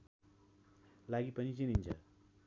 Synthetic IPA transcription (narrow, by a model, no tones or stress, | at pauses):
laɡipʌɲit͡ɕinint͡ʃʰʌ̰